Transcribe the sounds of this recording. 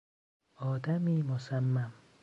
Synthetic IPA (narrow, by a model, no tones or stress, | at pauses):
ɒːd̪æmiːmosamːam